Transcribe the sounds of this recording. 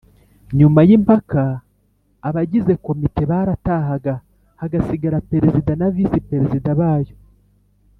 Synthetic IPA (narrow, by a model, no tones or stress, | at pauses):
ɲumajimpakaː | βaɟize̞ko̞mite̞βaːɾataːɦaɡa | haɡasiɡaɾape̞ɾezidanavisipe̞ɾezidaβaːjo̞